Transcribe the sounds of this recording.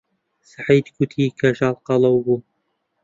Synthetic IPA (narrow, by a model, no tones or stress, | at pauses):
saħiːd̪kʰut̪ʰiːkʰɐʒɑːlˠqɑlˠɐwbuː